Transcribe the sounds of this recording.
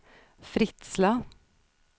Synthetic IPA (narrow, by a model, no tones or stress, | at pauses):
fɾɪt̪slɑ